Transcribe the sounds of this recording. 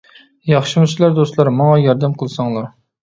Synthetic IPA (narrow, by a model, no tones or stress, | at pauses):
jɑχʃɨmuslˠɑɾd̪ost̪lˠɑɾmɑŋɑjɑɾd̪ɛmqʰəlˠɨsɑŋlˠɑɾ